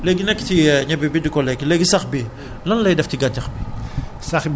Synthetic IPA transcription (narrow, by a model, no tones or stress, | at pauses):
leɡinɛkːtiɲɐbibidikɔlɛkːileɡisɐxbi | lɐnlɐjdɛftiɡatɐxbisɐx